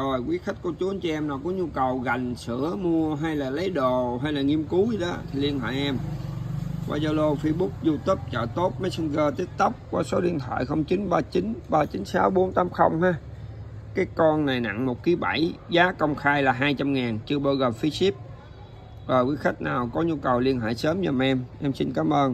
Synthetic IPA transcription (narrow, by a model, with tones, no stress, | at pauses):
zo˨˩jkwi˨˦xa˦˥k̟̚ku˧˩ət͡ɕu˨˦ə˨˦nt͡ɕi˧ʔɛ˧mna˨˩wkɔ˨˦ɲu˧kə˨˩wɣa˨˩jŋ̟sɨ̰˧˩˨əmu˧əɦa˧jlaː˨˩lə˨˦jɗo˨˩ɦa˧jlaː˨˩ŋi˧əmku˨˦i˨ɗɔ˨˦t̪ʰi˨˩li˧ənha̰ː˧˨jʔɛ˧m | wʔa̰ː˧zɔ˧lo˧fi˧ɓu˦˥k̚zu˧t̪ə˦˥p̚t͡ɕə̰ː˧˨t̪o˦˥t̚mə˨˦sə˧nɣəː˧t̪i˦˥ət̚t̪ə˦˥p̚kwaː˧˩so˨˦ɗḭ˧ənt̪ʰwa̰ː˧˨jxə˧wŋ͡mt͡ɕi˨˦nɓaː˧t͡ɕi˨˦nɓaː˧t͡ɕi˨˦nsaː˨˦wɓo˨˦nt̪aː˨˦mxə˧wŋ͡mhaː˧ | kaː˨˦jkɔ˧nna˨˩jna̰˧˨ŋmo˨˩t̚ki˨˦ɓa˧˩jzaː˨˦kə˧wŋ͡mxaː˧jlaː˨˩ɦaː˧jt͡ɕa˧mŋaː˨˩nt͡ɕɨ˧əɓaː˧wɣə˨˩mfi˧si˦˥p̚ | vɔː˨˩jkwi˨˦xa˦˥jk̟̚naː˨˩wkɔ˨˦ɲu˧kə˨˩wli˧ənɦa̰ː˧˨jsəː˨˦mɲə˨˩mʔɛ˧mʔɛ˧msi˧nkaː˨˦mʔəː˧n